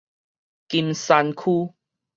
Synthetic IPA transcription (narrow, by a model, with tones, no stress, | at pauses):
ki˧msa˧nkʰu˦